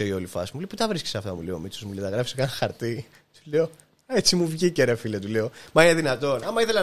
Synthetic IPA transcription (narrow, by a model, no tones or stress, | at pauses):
eiolifɐsmulejput̪ɐvɾiske̥seɐft̪ɐmṵleo̰mit͡sozmuleot̪ɐɣɾɐfisekɐnɐxɐɾt̪i | t̪uleo̞ | et͡simuvʝiceɾɐfilet̪uleomɐine̞ðinɐt̪o̞nɐmɐiθelɐ